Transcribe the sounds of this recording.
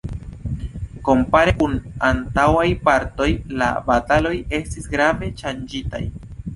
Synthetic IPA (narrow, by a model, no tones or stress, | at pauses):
ko̞mpaɾe̞kunantawajpaɾto̞jla̰batalo̞je̞stisɡɾave̞ʃand͡ʒita̰j